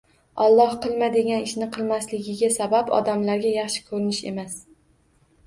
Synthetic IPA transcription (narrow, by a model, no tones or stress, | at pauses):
ɒlˠːɒhqɨlˠmad̪e̞ɡʲanɪʃnɪqʰɨlˠmaslɪɡʲɪɡʲasabapɒ̰d̪amlaɾɡʲajɑχʃɪ̥kʰɵɾɪnɪʃe̞̰mas